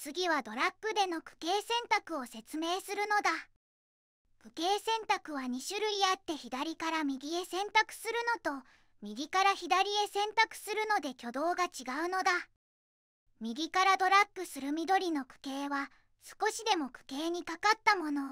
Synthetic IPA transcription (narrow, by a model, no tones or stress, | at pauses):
t͡sɨɡʲiβad̪o̞ɾakːɯ̟d̪e̞no̞kɯ̟̥ke̞ːsẽ̞nt̪akɯ̟o̞se̞t͡sɨme̞ːsɨɾɯ̟no̞d̪a | kɯ̟ke̞ːsẽ̞nt̪akɯ̟βaɲ̟iɕɨɾɯ̟iat̪ːe̞çid̪aɾʲikaɾamʲiɡʲie̞sẽ̞nt̪akɯ̟̥sɨɾɯ̟no̞t̪o̞ | mʲiɡʲikaɾaçid̪aɾʲie̞sẽ̞nt̪akɯ̟̥sɨɾɯ̟no̞d̪e̞kʲo̞d̪o̞ːɡat͡ɕiɡaɯ̟no̞d̪a | mʲiɡʲikaɾad̪o̞ɾakːɯ̟sɨɾɯ̟mʲid̪o̞ɾʲino̞kɯ̟̥ke̞ːβa | sɨ̥ko̞ɕid̪e̞mo̞kɯ̟̥ke̞ːɲ̟ikakat̪ːamo̞no̞